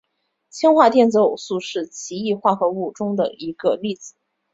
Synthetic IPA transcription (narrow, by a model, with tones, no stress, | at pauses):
t͡ɕʰi˥ŋxwa˥˧t̪jɛ˥˩nt͡sɹ̩˧˥o˨˩ʊsu˥˧ʂɻ̩˥˩t͡ɕʰi˧˥i˥˧xwa˥˩xɤ˧˥u˥˩ʈ͡ʂʊ˥ŋd̪ə̰˨˩i˧˥ɡə˧li˥˩t͡sɹ̩˨˦